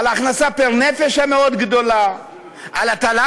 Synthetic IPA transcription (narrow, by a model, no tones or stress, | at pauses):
laχnasapeʁnefeʃameo̞d̪ɡd̪o̞la | ʔalat̪ala